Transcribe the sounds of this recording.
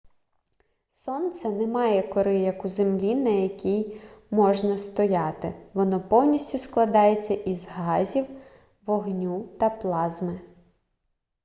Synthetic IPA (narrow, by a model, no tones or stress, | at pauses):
sɔnt̪sɐnɛmɑjɛkɔɾɪjɐkuzemlʲinɐjɐkʲijmɔʒnɐst̪ɔjɑt̪ɪ̰ʋɔnɔpɔwnʲisʲtʲʊsklˠɐd̪ɑjet͡sʲːɐʔizɦɑzʲiw | ʋɔɦnʲut̪ɐplˠɑzmɪ